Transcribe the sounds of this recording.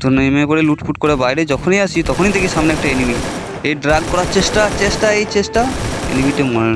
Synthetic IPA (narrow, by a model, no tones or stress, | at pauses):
t̪onemepoɾeluʈfuʈ̚koɾebajɾed͡ʑɔkʰonijaʃit̪ɔkʰonid̪ekiʃamneɛk̚ʈaenimi | eɖɾaɡkɔɾaɾt͡ɕeʃʈat͡ɕeʃʈaejt͡ɕeʃʈaḛnimiʈema